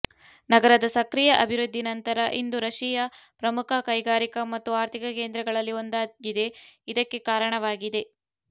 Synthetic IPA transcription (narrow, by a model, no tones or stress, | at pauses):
nɐɡɐɾɐd̪ɐsɐkɾijɐʔɐbʱiɾud̪ʱːinɐnt̪ɐɾɐʔind̪uɾɐʃijɐpɾɐmukʰɐkɐjɡaːɾikɐmɐt̪ːuaːɾt̪ʰikɐkeːnd̪ɾɛɡɐɭɐlːio̞nd̪aːɡid̪e̞id̪ɐkːe̞kaːɾɐɳɐʋaːɡid̪e̞